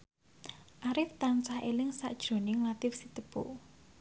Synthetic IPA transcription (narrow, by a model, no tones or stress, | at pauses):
ʔaɾɪft̪ant͡ʃahelɪŋsa̰ʔd̥ʒ̥ɾo̤nɪŋlat̪ɪfsit̪əb̥o̰